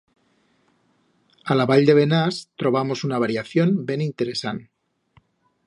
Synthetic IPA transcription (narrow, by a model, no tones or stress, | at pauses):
alaβaʎd̪e̞βe̞nast̪ɾo̞β̞amo̞sunaβ̞aɾjaθjo̞nbe̞nint̪e̞ɾe̞san